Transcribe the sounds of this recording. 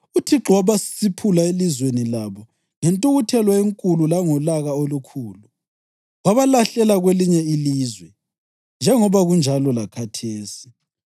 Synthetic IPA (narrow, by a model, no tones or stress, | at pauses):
utʰiǁɔwaβasi̥sipʰulaelizwenilaβɔ | ŋɛntʼuɣutʰɛlwaeŋkʼululaŋɔlaɣaolukʰuːlu | ɣaβalaɬɛlaɣweliɲɛiliːzwɛ | nd͡ʒʱɛŋɔβaɣund͡ʒʱalɔlakʰatʰeːsi̥